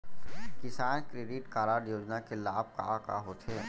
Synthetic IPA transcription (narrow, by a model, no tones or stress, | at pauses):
kɪsaːnkɾeːɖiʈkaːɾaːɾjoːd͡ʒnakelaːb̚ka̰ka̰ɦoːt̪ʰe